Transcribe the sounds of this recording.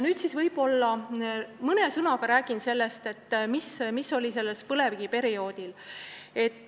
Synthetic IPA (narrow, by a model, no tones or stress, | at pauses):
nyːd̪sisvɤjb̥o̞lːɑ | mɤne̞sɯnɑɡ̥ɑɾæːɡ̥inse̞lːe̞st̪e̞t̪ːmismiso̞lʲise̞lːespɤle̞viɡ̥ipe̞ɾio̞ːd̪̥il | e̞t̪ˑː